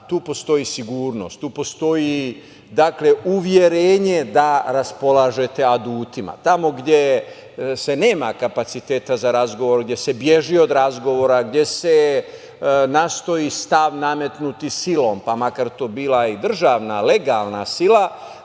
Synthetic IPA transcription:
t̪uːpo̞st̪o̞jisiɡuːɾno̞̰st̪uːpo̞st̪o̞ji | d̪akle̞uʋje̞ɾeːɲe̞d̪aɾaspo̞laːʒe̞t̪e̞ad̪uːt̪ima̰t̪amo̞ɡd̪je̞ | se̞ne̞ːmakapat̪sit̪e̞ːt̪azaɾazɡo̞ʋo̞ɾɡd̪ʲje̞se̞bje̞ʒio̞d̪ɾazɡo̞ʋo̞ːɾaɡd̪je̞se̞ | nast̪o̞jist̪aʋname̞t̪nut̪isilo̞ːmpamakaɾt̪oːbiːlaid̪r̩ʒaːʋnale̞ɡalnasila

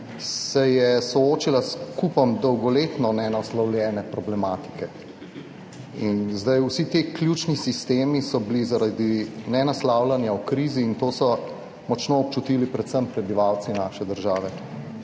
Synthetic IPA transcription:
sɛjɛsɔoːt͡ʃilaskupɔmd̪ɔwɡɔleːt̪nɔnɛnaslawlʲjɛːnɛpɾɔblɛmaːt̪i̥kɛ | inzd̪ajusit̪eːklʲjuːt͡ʃnisist̪eːmisɔbilizaɾad̪inɛnaslaːwlanjawkɾiːziːnt̪oːsɔ | mɔt͡ʃnoːp̚t͡ʃut̪iːlipɾɛt̪səmpɾɛbiʋaːwt̪sinaːʃɛd̪əɾʒaːʋɛ

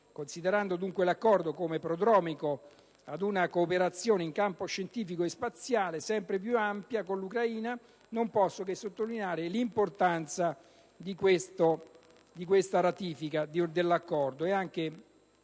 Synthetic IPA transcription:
konsid̪eɾand̪od̪uŋkwelakːɔrd̪okomepɾod̪ɾɔːmiko | ad̪unakoːpeɾat̪sːjoːneiŋkampoʃːent̪iːfikoespat̪sːjaːlesɛmpɾep̬juampjakonlukɾaiːna | nompɔsːokesːot̪ːolineaːɾelimport̪ant̪sa | d̪ikwest̪o | d̪ik̬west̪aɾat̪iːfikad̪d̪elːakːɔrd̪oeaŋke

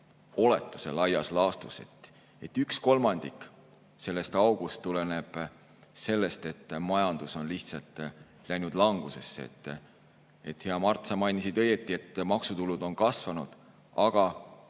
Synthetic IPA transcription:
o̞le̞t̪ːˑu̥se̞lɑjɑslɑːst̪use̞̰t̪ | e̞t̪ːˑyksko̞lmɑnd̪̥ikˑ | se̞lːest̪ɑwɡ̥ust̪ːulene̞b̥ | se̞lːe̞st̪e̞t̪ːˑmɑjɑnd̪̥uso̞nliht̪sɑlt̪ˑː | læjnud̪lɑŋɡ̥use̞sːeḛt̪ː | e̞t̪heɑmɑrt̪sɑmɑjnisid̪̥ɤ̞je̞t̪ːˑie̞t̪ːˑmɑksut̪ulud̪̥o̞nkɑsvɑnud̪̥ | ɑɡ̥ɑ

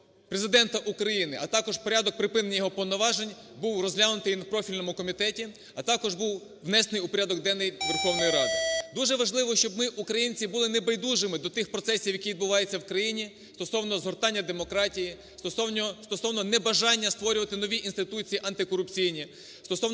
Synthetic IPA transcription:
pɾezɪd̪ɛnt̪ɐʔukɾɐjinɪʔɐt̪ɑkɔʒpɔɾʲad̪ɔk̚pɾɪpɪnenʲɐjɔɦɔpɔwnɔʋɑʒenʲ | buwrɔzɦlʲanʊt̪ɪjnɐpɾɔfʲilʲnɔmʊkɔmʲit̪ɛtʲi | ɐt̪ɑkɔʒbuw | ʋnɛsnɪjʊpɔɾʲad̪ɔɡd̪ɛnːɛjʋerxɔwnɔjiɾɑd̪ɪd̪uʒɛʋɐʒlˠɪʋɔʃt͡ʃɔbmɪʔukɾɐjinʲt͡sʲibulˠɪnebɐjd̪uʒɪmɪd̪ɔt̪ɪxpɾɔt̪sɛsʲiwjɐkʲiʋid̪bʊʋɑjet͡sʲːɐwkɾɐjinʲi | st̪ɔsɔwnɔzɦɔrt̪ɑnʲːɐd̪emɔkɾɑtʲiji | st̪ɔsɔnʲst̪ɔsɔwnɔnɛbɐʒɑnʲːɐst̪ʋɔɾʲʊʋɐt̪ɪnɔʋʲiʔinst̪ɪt̪ut͡sʲijiʔɐnt̪ɪkɔɾʊpt͡sʲijnʲi | st̪ɔsɔw

